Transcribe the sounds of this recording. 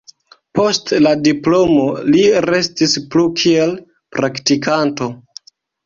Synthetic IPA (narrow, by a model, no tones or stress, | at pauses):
po̞stladiplo̞mo̞liɾe̞stisplukʰie̞l | pɾaktikʰanto̞